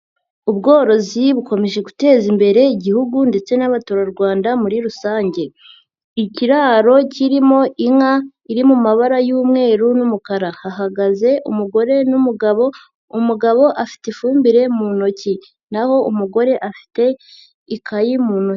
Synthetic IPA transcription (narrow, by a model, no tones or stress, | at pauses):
uβɡo̞ːɾo̞ziβuko̞me̞ʒe̞ɡute̞ːzimbe̞ɾe̞iɟihuɡunde̞t͡se̞naβatuɾaɾɡwaːndamuɾiɾusaːɲɟe̞ | iciɾaːɾo̞ciɾimo̞ʔiŋa | iɾimumaβaɾajuːmŋe̞ːɾunumukaɾahaɦaɡaze̞ʔṵmuɡo̞ɾe̞numuɡaβo̞ | umuɡaβo̞ʔafi̥tefuːmbiɾe̞munoci | naho̞ʔumuɡo̞ɾe̞ʔafi̥te̞ | ikʰajimuːnoc